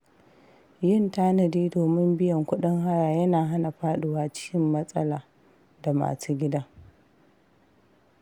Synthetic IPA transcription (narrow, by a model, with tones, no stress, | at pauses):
jɪ˦ntaː˦nɐ˨diː˦doː˨mɪ˦mbɪ˦jɐ˨ŋkʷʊ˦ɗɪ˦ŋɦa˦ɽaː˨jɐ˦naː˨ɦa˦na˨ɸaː˦ɗɪ˨waː˦t͡ʃɪ̥˦kʲɪ˦mːɐ˦sʼɐ˦laː˨ | da˨ma̰ː˨suː˦ɡʲɪ˦daː˦